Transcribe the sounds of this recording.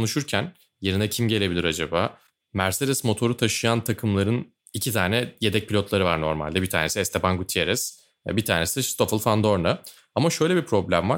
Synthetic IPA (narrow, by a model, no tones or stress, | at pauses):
kʰo̞nuʃuɾcʰæn | je̞ɾinɛcʰimɟelʲe̞bilʲiɾad͡ʒabaː | mæɾsed̪ɛsmo̞t̪ʰo̞ɾut̪ʰaʃɯjant̪ʰakʰɯmlˠaɾɯn | icʰit̪ʰaːnɛje̞d̪ɛc̚pilʲo̞t̪lˠaɾɯvaɾno̞̰ɾma̰lʲd̪ɛbit̪ʰa̰ːne̞siɛst̪ʰepanɡut̪ʰieɾɛs | ɛ̰bit̪ʰaːɾne̞sist̪o̞fɯlˠfand̪o̞ɾna | amaʃø̞jlʲebipʰɾo̞blʲæmva